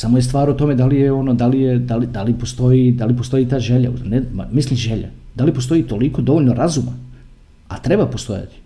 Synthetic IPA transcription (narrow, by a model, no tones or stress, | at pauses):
samo̞jest̪ʋaːɾot̪o̞me̞d̪alijeo̞nod̪alijed̪alid̪alipo̞st̪o̞jid̪alipost̪o̞jit̪aːʒe̞ʎa̰unema̰mislimʒeʎa̰d̪alipost̪o̞it̪o̞liko̞d̪o̞ʋo̞ʎno̞ɾazuma̰ | at̪ɾe̞bapo̞st̪o̞̰ja̰t̪i̥